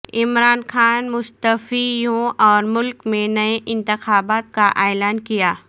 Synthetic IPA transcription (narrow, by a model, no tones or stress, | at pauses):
ɪmɾaːnxaːnmʊst̪əfijõʔɔːɾmʊlkmẽnɐeʔɪ̃nt̪ɪxaːbaːt̪̚kaʔeːlaːnkijaː